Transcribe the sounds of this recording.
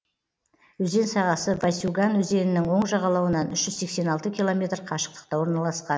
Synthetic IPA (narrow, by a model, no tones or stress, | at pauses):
wɵze̞nsɑʁɑsəbajsuɡɑnwɵze̞nɪnɪŋwo̞ɴʒɑʁɑlˠɑwənɑnʏʃʒ̥ʏzse̞kse̞nɑlˠt̪əkʲilˠo̞mʲe̞t̪rqʰɑʃə̥q̚t̪ə̥q̚t̪ɑwo̞ɾnɑlˠɑsqɑn